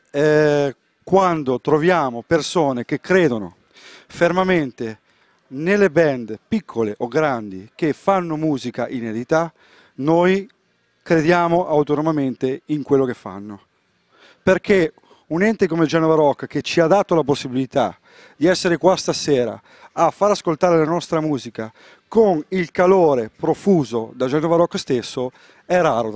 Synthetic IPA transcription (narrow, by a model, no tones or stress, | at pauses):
ɛ | kwand̪ot̪ɾovjaːmopersoːnek̟ekːɾeːd̪ono̰ | fermament̪e | nelːebɛnd̪pikʰːoleʔoɡɾand̪ik̟efanːomuːzikaʔined̪it̪a | noj | kɾed̪jaːmoʔawt̪onomament̪eiŋkwelːokefːa̰nːo | perkʰe | unɛnt̪ek̬omed͡ʒanovaɾɔkːk̟et͡ʃːiad̪at̪olaposːibilit̪a | d̪iɛsːeɾekwast̪asɛːɾa̰ː | fːaɾaskolt̪aːɾelanɔst̪ɾamuːzika | konilkaloːɾepɾofuːzod̪ad͡ʒanovaɾɔkːst̪esːo | ɛraːɾo